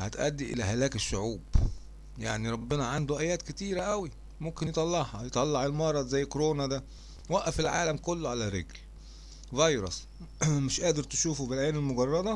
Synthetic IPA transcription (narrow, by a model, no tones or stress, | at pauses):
hæ̰t̪ʔæ̰d̪ːiʔḛlæhælæːkeʃːʊʕuːb̥ | jaʕniɾˤɑbːɪnɑʕand̪oʔæjæːt̪ket̪iːɾæʔæwi | momkenjt̪ˤɑlːɑʕhɑjet̪ˤɑlːɑʕelmɑɾˤɑd̪zæjːkoɾoːnæd̪æ | wæʔʔæfelʕaːlæmkolːoʕalæɾḛɡl | vɑjɾˤɑs | mɪʃʔæːd̪eɾt̪eʃuːfubelʕeːnelmoɡɑrˤːɑd̪ˤɑ